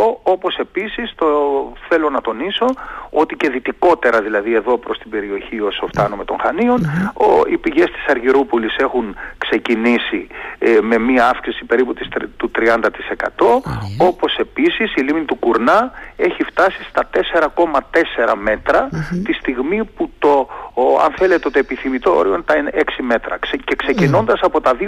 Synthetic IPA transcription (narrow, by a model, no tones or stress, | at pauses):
oopo̞se̞pisist̪oθe̞lo̞nɐt̪o̞niso̞o̞t̪ice̞ðit̪iko̞t̪e̞ɾɐðilɐðie̞ðo̞pɾo̞st̪ibe̞ɾio̞çio̞soft̪ɐnome̞t̪o̞ŋxɐnio̞noḭpiʝe̞st̪i̥sɐɾʝiɾupulise̞xuŋkse̞cinisime̞miɐɐfksisipe̞ɾiput̪ist̪ut̪ɾiɐnd̪ɐt̪i̥se̞kɐ̰t̪o̞o̞po̞se̞pisisilimnit̪ukuɾnɐe̞çift̪ɐsist̪ɐt̪e̞se̞ɾɐko̞mɐt̪e̞se̞ɾɐme̞t̪ɾɐt̪ist̪iɣmiput̪o̞ɐ̰nθe̞le̞t̪eot̪oepiθimit̪o̞o̰ɾiont̪ɐneksime̞t̪ɾɐ̰cekse̞cino̞nd̪ɐsɐpo̞t̪ɐði